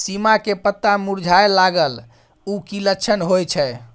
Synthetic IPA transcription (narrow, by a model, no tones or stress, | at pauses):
simakepət̪ːamuɾd͡ʒʱaelaɡəl | ukiləkːt͡ʃʰənɦojt͡ʃʰɛ